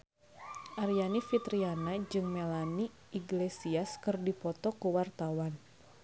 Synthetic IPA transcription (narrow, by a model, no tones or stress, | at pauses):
ʔaɾijanifit̪ɾianad͡ʒɨŋmelani | iɡlesiaskɨrdipɔt̪ɔkuwart̪awan